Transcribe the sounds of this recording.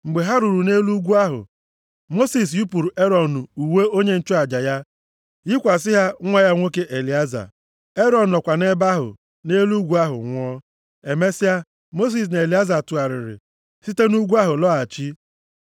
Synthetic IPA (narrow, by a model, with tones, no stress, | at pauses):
ŋ͡m̩˨ɡ͡be˨ɦa˦ɾu˨ɾu˨ne˦lu˦ɡʷu˦a˦ɦʊ̰˨ | mo˦si˨s̬ju˦pu˨ɾu˨ʔe˦ɾɔ˨n˨u˨we˦o˦ɲe˦n̩˦t͡ʃɔ˦a˨d͡ʒa˨ja˦ | jɪ˦kʷa˨s̬ɪ˦ɦa˦ŋʷa˦ja˦ŋʷo˦ke˦ʔe˨li˨a˦za̰˨ | e˦ɾɔ˨n̩˨nɔ˨kʷa˨ne˦ba˦ɦʊ̰˨ | ne˦lu˦ɡʷu˦a˦ɦʊ̰˨ŋʷɔ˦ | e˨me˦sɪ˦a˦ | mo˦s̬i˨s̬ne˨li˨˦a˦za˨tu˨a˨ɾɪ̰˨ɾɪ̰˨ | si˦te˦nu˦ɡʷu˦a˦ɦʊ˨lɔ˦a˨t͡ʃi˦